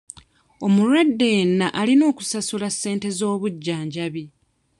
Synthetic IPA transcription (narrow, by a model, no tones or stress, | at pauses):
o̞muɾwadːe̞jnːaʔalino̞ːku̥sasulasːe̞ːnte̞zo̞ːβuɟːaːɲɟaβi